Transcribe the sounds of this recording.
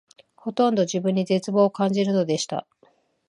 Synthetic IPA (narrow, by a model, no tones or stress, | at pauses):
ho̞t̪õ̞nd̪o̞ʑibɯ̟̃ɲ̟ːid͡ze̞t͡sɨbo̞ːkãɲ̟d͡ʑiɾɯ̟no̞d̪e̞ɕi̥t̪a̰